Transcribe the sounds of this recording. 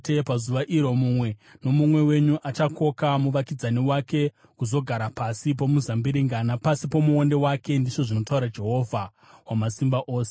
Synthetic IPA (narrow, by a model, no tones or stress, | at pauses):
tepazuʋaʔiɾo̞mumwe̞no̞mumwe̞we̞ɲuʔat͡ʃako̞kamuʋakid͡zaniwake̞ | kuzo̞ɡʱaɾapasip̬o̞muzambiɾiŋɡanapasipo̞muonde̞wake̞ndit͡ʃo̞ʐino̞tauɾad͡ʒe̞ɦo̞vʱa | wamasimbaʔoːse